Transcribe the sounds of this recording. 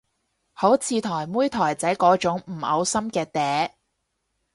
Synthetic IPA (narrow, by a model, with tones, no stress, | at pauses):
ho˨˥wt͡sʰiː˨˧t̪ʰɔː˨˩jmuː˥jt̪ʰɔː˨˩jt͡sɐ˨˥jkɔː˨˥t͡ʃʊ˨˥ŋm̩˨˩ɐ˨˧wsɐ˥mkɛː˧t̪ɛː˨˥